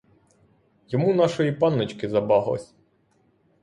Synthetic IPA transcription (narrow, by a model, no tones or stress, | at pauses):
jɔmunɑʃɔjipɑnːet͡ʃkɪzɐbɑɦlˠɔ̰sʲ